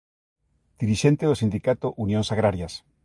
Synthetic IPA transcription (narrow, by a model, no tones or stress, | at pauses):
d̪̥iɾiʃent̪eðosind̪ikat̪oʔunjõnsaɣɾaɾjas